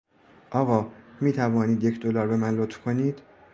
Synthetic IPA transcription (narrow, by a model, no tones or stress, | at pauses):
ʔɒːɣɒːmiːt̪ʰævɒːniːd̪jecʰd̪olɒːɾbe̞mænlot̪fkʰo̞niːd̪̥